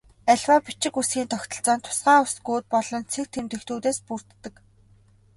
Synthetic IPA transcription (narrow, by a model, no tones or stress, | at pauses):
æɮʲwaːpit͡ɕɪ̆kusɡiːnt̪ʰɔkt̪ɞ̆ɬt͡sɔːnt̪ʰʊ̥sɢaːʊsɡuːt̪̚pɔɮɞ̆nt͡sʰek̚t̪ʰemt̪ext̪uːt̪eːspur̥t̪ːə̆k